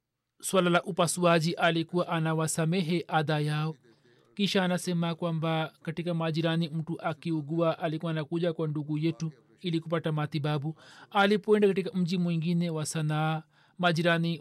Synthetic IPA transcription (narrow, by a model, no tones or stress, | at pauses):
swalalaʔupasuaʄiʔalikuwaʔanawasamɛɦɛʔaðajaɔ | kiʃaːnasɛmakwambakatikamaʄiɾanim̩tuʔakiuɡuaʔalikuwanakuʄakwanduɡujɛtu | ilikup̬atamat̪iɓabualipɔɛndakatikam̩ʄimwiŋɡinɛwasanaː | maʄiɾani